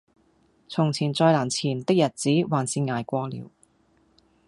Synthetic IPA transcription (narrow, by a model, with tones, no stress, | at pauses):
t͡sʰʊ˨˩ŋt͡sʰiː˨˩nt͡sɔː˧jlaː˨˩nt͡sʰiː˨˩nt̪ɪ˥k̚jɐ˨˩t̚t͡siː˨˥waː˨˩nsiː˧nŋaː˨˩jkʷɔː˧lḭː˨˩w